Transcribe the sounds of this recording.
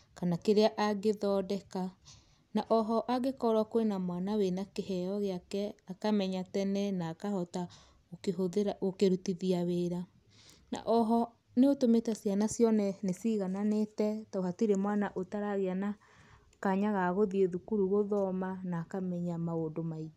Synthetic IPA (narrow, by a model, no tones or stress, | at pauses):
kanakeɾeaʔaɡeðɔːdɛka | naʔɔɦɔʔaɡekɔɾwakoenamwanawenakehɛɔɣeakɛakamɛɲatɛnɛnaːkahɔta | okeɦoɾaokeɾutiðiaweɾa | na̰ʔɔɦɔ | neotometasjanasjɔnɛnesiɣananetɛtaoɦatiɾemwanaʔotaɾaɣeana | kaɲaɣaɣoðieðukuɾuɣoðɔmanaːkamɛɲamaodomai